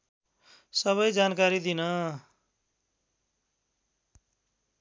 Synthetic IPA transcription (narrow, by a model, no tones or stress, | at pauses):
sʌβʌjd͡zankaɾid̪inʌ